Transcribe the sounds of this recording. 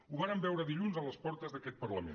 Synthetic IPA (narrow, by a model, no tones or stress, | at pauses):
uβaɾəmbɛwɾəðiʎunzələspɔɾt̪əzðəkɛt̪̚pərləmḛ